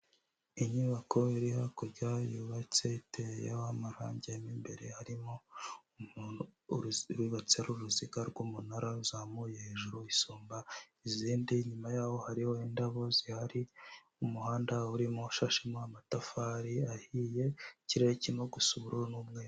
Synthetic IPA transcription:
iɲiβako̞iɾihakuɾɟajuβat͡seitejḛamaɾa̰ːɲɟeimimbe̞̰ɾe̞haɾimo | u | ɾwiβat͡seɾuɾuziɡaɾɡuːmunaɾauzamujeheːʒuɾuisuːmba | iziːndiɲumajaːho̞haɾihoindaβo̞zihaɾi | umuhaːndauɾimoʃaʃemoamatafaɾiahije̞ciɾeɾecimoɡusuβuɾuɾonumŋeːo

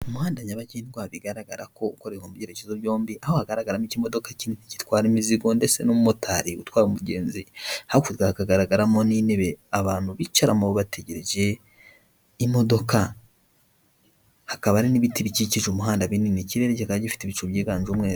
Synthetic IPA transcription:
umuhaːndaɲaβaɟeniɡwaβiɡaɾaɡaɾako̞ukoɾekomuβɾjeɾecezoβjo̞ːmbiʔahohaɡaɾaɡaɾamicimo̞do̞kacinitici̥twaːɾimiziɡo̞ndese̞̰nomumotʰaɾiṵtwaːɾumuɟeːnzihakutɡaakaɡaɾaɡaɾamonine̞βe̞aβaːn̥huβit͡ʃaɾamoβoβate̞ɟeɾeʒe̞ | imo̞do̞ka | hakaβaɾiniβitiβiciciʒumuɦaːndaβininiciɾe̞ɾeɟihakaβaɟifi̥teβit͡ʃoβjeːɡaːɲʒomŋeːɾ

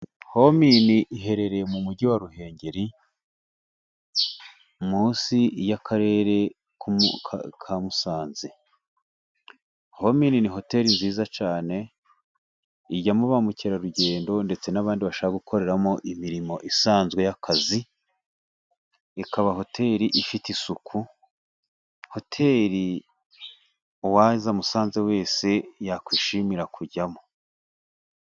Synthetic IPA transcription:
ho̞miniʔiɦe̞ɾe̞ɾe̞mumuɟiwaɾuɦe̞ːɲɟe̞ɾi | muːnsijakʰaɾe̞ːɾe̞ | kṵkʰamusaːnze | homininiɦo̞te̞ɾinziːzat͡ʃaːne̞ | iɟamuβamuceɾaɾuɟe̞ːndo̞nde̞t͡se̞naβaːndiβaʃaβaɡukʰo̞ɾe̞ɾamo̞ʔimiɾimo̞ʔisaːnzɡwe̞jakʰazi | ikʰaβaɦo̞tʰe̞ːɾiʔifitisukʰu | ho̞tʰe̞ɾi | wazamusaːnze̞we̞ːse̞jakwiːʃimiɾakuɟamo

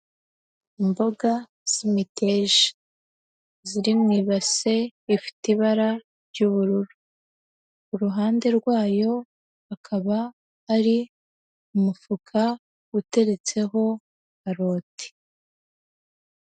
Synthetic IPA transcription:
imbo̞ɡa | z̥imite̞ʒi | ziɾimŋiːβase̞ifi̥tiβaɾa | ɾɟuːβuɾuɾu | ɾuɦaːnde̞ɾɡwaːjo̞ | akʰaβaː | ɾi | umufukʰa | ute̞ɾe̞t͡se̞ɦo̞ | aɾo̞ːtʰe̥

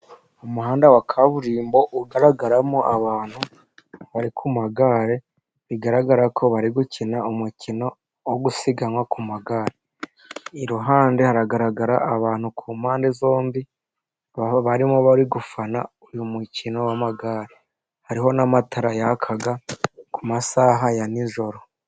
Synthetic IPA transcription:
umuɦaːndawakʰaβuɾiːmbo̞ʔuɡaɾaɡaɾamoʔaβaːn̥hu | βaɾikʰumaɡaːɾe̞ | βiɡaɾaɡaɾakʰo̞βaɾiɡucʰinaumucʰino̞ | woɡusiɡanwakumaɡaːɾe | iɾuɦaːndehaɾaɡaɾaɡaɾaʔaβaːn̥hukʰuːmaːndezo̞ːmbi | βaɾimoβaɾiɡufanaujumucino̞wamaɡaɾe | haɾiɦo̞namatʰaɾajakʰaɡakʰumasaːɦajaniʒo̞ɾo

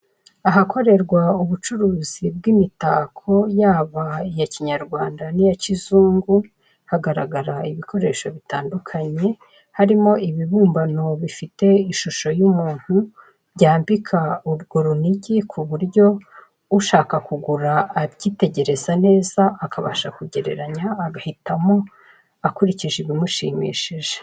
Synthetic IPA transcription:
aɦako̞ɾe̞ɾɡwauβut͡ʃuɾuːzibɡimitaːkʰo̞jaːβaijaciɲaɾɡwaːndanijacizuːŋɡu | haɡaɾa̰ɡaɾaiβikʰo̞ɾe̞ːʃo̞βitaːndukʰaɲe̞ | haɾimo̞ʔiβiβuːmbano̞βifite̞iʃuʃo̞jumuːn̥hu | βɟaːmbikʰauɾɡo̞ɾuniɟikʰuβuɾɟo̞ | uʃaːkakuɡuɾaːɾɟiːte̞ɟe̞ɾe̞zane̞ːzaʔːkaβa̰ʃakuɟe̞ɾe̞̰ɾaɲaːɡahitamo̞ | akuɾiciʒiβimuʃḭːmḭːʃiʒe̥

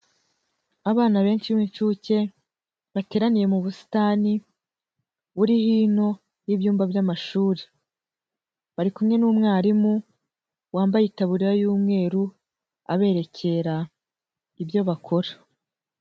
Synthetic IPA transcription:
aβaːnaβe̞ːnt͡ʃiβmint͡ʃuːce̞ | βate̞ːɾanije̞muβusi̥taːni | uɾihiːno̞ | jiβjuːmbabjamaʃuːɾe̥ | βaɾikumŋe̞nuːmŋaːɾimu | waːmbajitaβuɾiɾajuːmŋe̞ːɾu | a̰βe̞ːɾe̞cʰe̞ɾa | ibjo̞βakʰo̞ɾa

